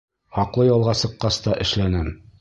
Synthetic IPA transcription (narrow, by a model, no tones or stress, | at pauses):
hɒqlˠɤjɒlˠʁɑsɤ̆qːɑst̪ɑʔɘ̆ʃlænɘm